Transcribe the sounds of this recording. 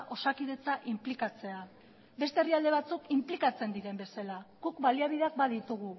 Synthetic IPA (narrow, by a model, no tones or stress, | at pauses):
ʔo̞sakið̞e̞t͡saʔimplikat͡se̞a | be̞st̪eriald̪e̞β̞at͡sukimplikat͡se̞nd̪iɾe̞mbe̞salaɡukbaliaβiðeak̚baðit̪uɣ̞u